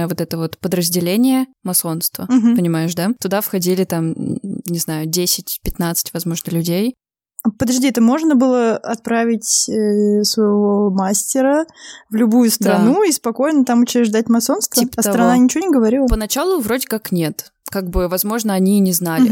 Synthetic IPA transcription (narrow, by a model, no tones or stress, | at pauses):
vo̞t̪ɛt̪əvo̞t̪pəd̪ɾəzʲdʲɪlʲenʲɪjə | mɐso̞nst̪vəmɦ̩pənʲɪmajɪʂd̪at̪ʊd̪afxɐdʲilʲɪt̪amnʲɪznajʊdʲesʲɪtʲpʲɪt̪nat̪sɨ̥tʲvɐzmo̞ʐnəlʲʉdʲej | apəd̪ɐʐd̪ʲiɛt̪əmo̞ʐnəbɨlˠəɐt̪̚pɾavʲɪtʲəsvəjɪvo̞masʲtʲɪɾəvlʲʊbujʊstd̪ɾɐnuispɐko̞jnət̪amʊt͡ɕɪɾʲɪʐd̪atʲmɐso̞nst̪vəasɾɐnanʲɪt͡ɕɪvonʲɪɡəvɐɾʲilˠəpənɐt͡ɕalˠʊvɾodʲɪkaknʲe̞t̪ | kaɡ̚bɨvɐzmo̞ʐnəɐnʲinʲɪznalʲɪ